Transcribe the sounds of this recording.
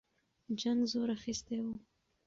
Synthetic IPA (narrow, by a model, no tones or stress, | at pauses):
d͡ʒaŋɡzoɾaxist̪ewu